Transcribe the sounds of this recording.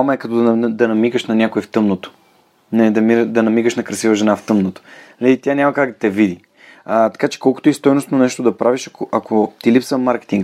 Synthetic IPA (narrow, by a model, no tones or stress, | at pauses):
mɐɛkɐt̪ɔd̪nnd̪ɐnɐmiɡəʃnɐnʲakoift̪ɤmnot̪o̥ | nɐid̪ɐmiɾd̪ɐnɐmiɡəʃnɐkɾɐsivəʒɛnaft̪ɤmnot̪o̥nɐlit̪ʲanʲamɐkaɡd̪ɐt̪ɛvid̪i | ət̪ɐ̥kat͡ʃɛ̥kɔlˠko̥t̪oist̪ɔjnosnonɛʃt̪od̪ɐpɾaviʃɐkoʔɐkot̪ilipsvəmːaɾkʲɛ̥t̪iŋɡ